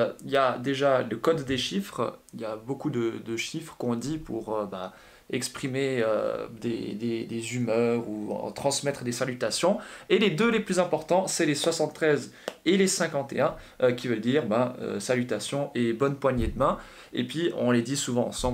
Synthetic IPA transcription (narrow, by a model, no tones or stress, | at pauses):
iljad̪eʒaləkɔd̪ːeʃifχiljabokud̪əd̪əʃifχkɔ̃d̪ipuʁøba | ɛkspχimeø̰d̪ḛd̪ed̪ezymœʁṵt̪χɑ̃smɛt̪χd̪esalyt̪asjɔ̃eled̪øleplyzɛ̃pɔʁt̪ɑ̃sɛleswasɑ̃t̪ːχɛz | elesɛ̃kɑ̃t̪ḛɛ̃ | økʲivœld̪iʁbaø̰salyt̪asjɔ̃ʔɛbɔnpwaɲed̪əmɛ̃ | ḛpɥiɔ̰̃led̪isuvɑ̃ɑ̰̃sɑ̃b